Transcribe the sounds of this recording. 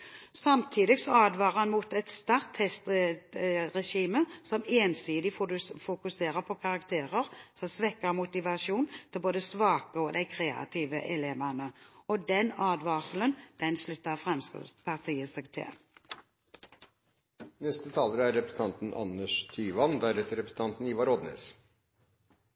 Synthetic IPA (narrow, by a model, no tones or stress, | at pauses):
sɑmt̪ʰiːd̪ɪɡsɔɑːd̪ʋɑːʁhɑnmuːt̪ɛt̪st̪ɑʁt̪hɛst̪ | ʁɛʃiːməsɔmeːnsiːd̪ɪffʊkʉseːʁəʁpʰɔkʰɑʁɑkt̪ʰeːʁəʁsɔmsʋɛkːəʁmʊt̪ɪʋɑʃuːnt̪ʰɪlboːd̪əsʋɑːkəɔd̪æɪkʰɾeːɑ̰t̪ʰiːʋəʔɛleːʋænəɔd̪ɛnɑːd̪ʋɑːsələnd̪̥ɛnslʉt̪ːəʁfʁɛmskspʰɑʁt̪ʰiːəsɛːɡt̪ʰɪ̰l | nɛst̪ət̪ʰɑːləɾəæɾɛpɾəsn̩ɑnt̪n̩ɑ̰nːəʂt̪ʰyːʋɑnd̪æɾɛt̪əɾɛpɾəsn̩t̪ɑnt̪n̩iːʋɑɾɔd̪nḛːs